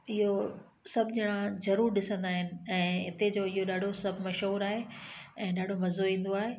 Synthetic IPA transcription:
ɪɦo | sɐbʱd͡ʑɪɽ̃ãzɐɾuːɾɗɪsə̃nd̪aːɦɪnɪ̆ɛ̃ːɦɪt̪ed͡ʑoːɪɦoɗaːɖʱosɐbʱɪmɐʃɦuːɾaːɦeɛ̃ːɗaːɖʱomɐzoĩːn̆d̪oaːɦeː

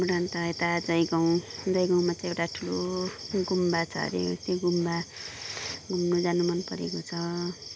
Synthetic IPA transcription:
muɾant̪ʌet̪ad͡zʌjɡaw̃d͡zʌjɡaw̃mat͡sãj̃ewʈaʈʰuloɡumbat͡sʰʌ̰ɾḛʌst̪eɡumba | ɡumnod͡zanumʌnpʌɾḛkot͡sʰʌ

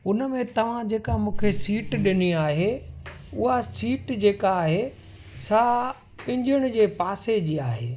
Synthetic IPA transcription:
ʊnəmẽt̪ɐʋ̤ãd͡ʑeːkamũːkʰesiːʈɗɪniaːɦe | ʊɦasiːʈd͡ʑeːkaːɦe | sa | ɪ̃ɲd͡ʑʊɽ̃ʊ̆d͡ʑeːpaːsed͡ʑiːaːɦeː

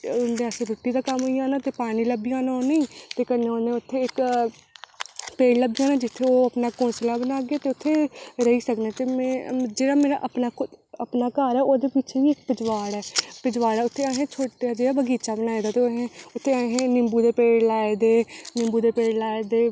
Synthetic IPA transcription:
ʊnd̪eəsẽːbʱɪʈːiːd̪aːkəmɦoːiãːnaːt̪eːpaːñiːləbijãːnaõːneĩt̪eːkənːeːõːnẽʊt̪ʰːeːɪk | peːɽləbijãːnaːd͡ʒɪt̪ʰːeːoːəpnaːkõːnslaːbənaːɡeaːt̪eːʊt̪ʰːeːɾəɦiːsəkneːt̪eːmɛ̃ːd͡ʒeːɽaːmeːɾa̰ːʔəpnaːkʊəpnaːkaːɾɛːoːd̪eːpɪːt͡ʃʰeʋiːɪk̚pɪd͡ʒʋaːɽɛːpɪd͡ʒʋaːɽɛːʊt̪ʰːeːəɦẽːt͡ʃʰoːʈaːd͡ʒeːɽaːbəɡiːt͡ʃaːbənaːed̪aːt̪eɦẽʊt̪ʰːeːəɦẽːnɪmbuːd̪eːpeːɽlaːed̪eːnɪ̃mbuːd̪eːpeːɽlaːed̪eː

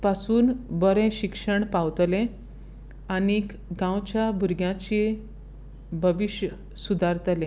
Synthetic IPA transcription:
pasuːnbəɾẽɕikʂəɳpawt̪lẽ | anik | ɡãwt͡ɕjabʱuɾɡjãt͡ɕi | bʱəʋiɕjə | sud̪ʱaɾt̪əlẽ

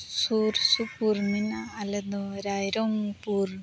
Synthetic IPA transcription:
suɾsupuɾminaːlɐd̪ɐɾaːjɾoŋpuːɾ

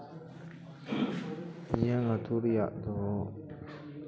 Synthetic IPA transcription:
nijaŋat̪ʰuɾja̰ʔd̪ɔ

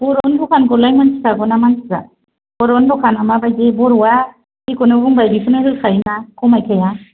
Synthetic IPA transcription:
bɔɾɔnbɔkʰanɡɔlajmansʰi̥kaɡɔnamansi̥za̰ | bɔɾɔnbɔkʰanamabajzebɔɾɔwa | hikɔnɯbuŋbajbikʰɯnɯhɯlkʰajinakʰɔmajkʰaja

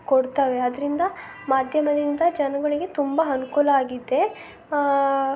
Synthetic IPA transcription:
koɽt̪aʋe̞ɐd̪ɾind̪ɐ | maːd̪ʱjɐmɐd̪ind̪ɐd͡ʒɐnɐɡɐɭiɡe̞t̪umbɐɐnukuːlɐaːɡid̪ːe̞

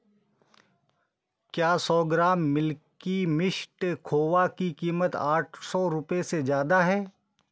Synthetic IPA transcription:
kjaːsɔːɡɾaːmːɪlkimɪʃʈkʰoːʋakikiːmət̪aːʈʰsɔːɾʊpesezjaːd̪aɦɛː

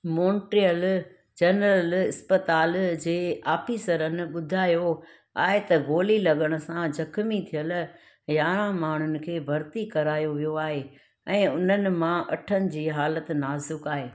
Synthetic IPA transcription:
mõːɳʈɾijəl | d͡ʑɐnɾəlɪspət̪aːld͡ʑeːaːfiːsəɾənɪ̆ɓʊd̪ʱaːjo | a̰ːɦet̪ɐɡoːlilɐɠəɽ̃ʊsãd͡ʑɐkʰmit̪ʰijəl | jaːɾãmaːɳ̤ʊnɪ̆kʰeːbʱɐɾt̪ikɐɾaːjoʋijoaːɦe | ɛ̃ːʊn̤ənɪ̆mãʔɐʈʰənɪ̆d͡ʑiːɦaːlət̪naːzʊkaːɦeː

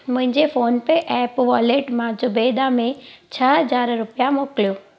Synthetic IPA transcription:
mʊ̃ɦɪ̃ɲd͡ʑefoːnpeʔɛːpʋɔːleʈmãd͡ʒʊbed̪amẽt͡ɕʰəɦəd͡zaːɾɾʊpjãmoːkljoː

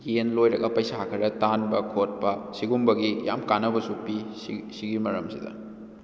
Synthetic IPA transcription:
jenlojɾɐɡɐpɐjsaakʰɐɾɐtanbɐkʰot̚pɐsiɡumbɐɡijamkanɐbɐsupissiɡimɐɾɐmsidɐ̰

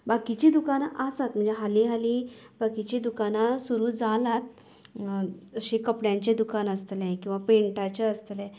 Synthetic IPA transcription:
bakit͡ɕid̪ukanaʔasat̪m̤əɳd͡zeɦaliɦali | bakit͡ɕiːd̪ukanasuɾuːd͡zalat̪̚ | əɕẽkəpɽjãɲt͡ɕed̪ukanəst̪lekĩw̃ʋapẽɳʈat͡ɕaəst̪lẽ

